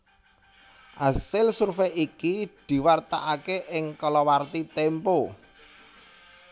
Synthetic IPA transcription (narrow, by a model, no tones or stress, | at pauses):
ʔasɪlsurfejikid̪̥i̤wart̪a̰ʔakeʔɪŋkɔlɔwart̪it̪ɛmpo